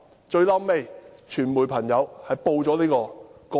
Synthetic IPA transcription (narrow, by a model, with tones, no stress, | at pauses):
t͡ʃɵ˧ɥlɐː˥mme˧jt͡ʃʰyː˨˩nmuː˨˩jpʰɐ˨˩ŋjɐ˨˧whɐ˨jpo˧wt͡sɔː˨˥liː˥kɔː˧kɔ˨